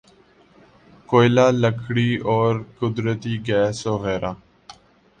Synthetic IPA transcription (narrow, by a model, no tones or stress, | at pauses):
koːɪlaːləkʰɽiːʔoːɾkʊd̪ɾət̪iːɡɛːsoːɣɛːɾʔaː